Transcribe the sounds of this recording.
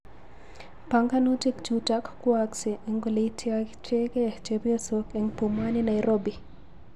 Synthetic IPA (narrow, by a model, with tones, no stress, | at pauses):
pa˦ŋka˦nu˦ti˦kt͡ʃuta˦kkwaksi˨eŋɡo˨li˨tʰja˦t͡ʃe˦ke˦˨t͡ʃepi˦o˦so˦ke˨ŋpu˨ma˦ni˦na˨jɾo˦bi˨